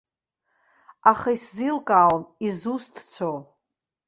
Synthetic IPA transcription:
aχajszilkʼaːlnizustʰt͡sʷʰow

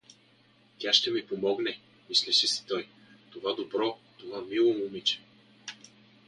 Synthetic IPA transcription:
t̪ʲaʃt̪ɛmipomɔɡnɛ | mislɛʃɛsi̥t̪ɔj | t̪ovad̪obɾɔt̪ovamilˠomumit͡ʃɛ̥

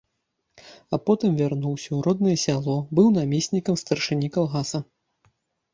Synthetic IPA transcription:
apɔt̪ɨmvʲarnuwsʲɐuɾɔd̪nɐjɛsʲalˠɔbɨwnamʲesʲnʲikɐmst̪ɐrʂɨnʲikalˠɣasɐ

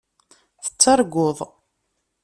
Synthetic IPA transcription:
θə̥t͡sːɑɾˤɡʷʊðˤ

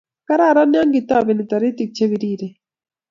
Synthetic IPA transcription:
kaɾaːɾanjaŋɡit̪aβinit̪aɾit̪ik̚t͡ʃʰeβiɾiːɾe

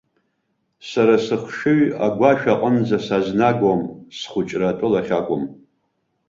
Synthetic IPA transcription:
saɾasɨχʂɨɥaɡʷaʃᶣaqʼənd͡zasaznaɡamsχʷʊt͡ʃʼratʷʼʊlaχʲakʷʼʊm

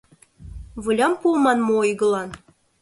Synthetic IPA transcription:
vɯlʲɑmpulmɑnmoojɡɤ̆lˠɑn

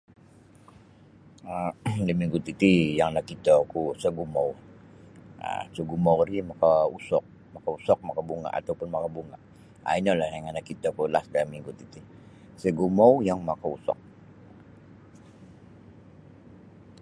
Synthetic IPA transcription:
aləmiŋɡut̪it̪ijaŋnakit̪akusəɡumaw | a̰səɡumawɾimakausɔk̚ | makausɔk̚makabuŋa̰ʔa̰t̪awpʊnmakabuŋaʔ | a̰inalaaŋanakit̪akulasdaamiŋɡut̪it̪i | səɡumawjaŋmakausɔ̰k̚

